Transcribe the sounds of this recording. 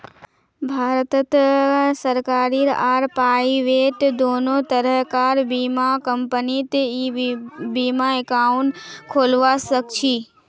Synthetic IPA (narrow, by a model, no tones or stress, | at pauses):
bʱaːɾt̪ət̪səɾkaːɾiɾaːɾpaːiʋeːʈd̪oːnot̪əɾəɦkaːɾbimakəmpənit̪e | biːmaekãɳʈkʰoːlʋasəkt͡ʃʰiː